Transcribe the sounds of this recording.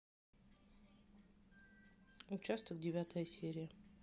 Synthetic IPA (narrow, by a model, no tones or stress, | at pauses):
ʊt͡ɕast̪əkdʲɪvʲat̪əjəsʲeɾʲɪjə